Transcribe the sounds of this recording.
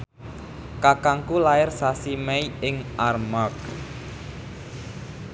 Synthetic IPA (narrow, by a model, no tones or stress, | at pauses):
kakaŋkulaɪrsasimɛiɪŋʔarmak̚